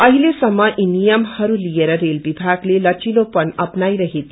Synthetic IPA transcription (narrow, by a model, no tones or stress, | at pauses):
ʌɦilesʌmːʌʔinijʌmhʌɾulijeɾʌɾelbibʱaɡlelʌt͡ʃilopʌnʌpnajɾʌɦet̪ʰ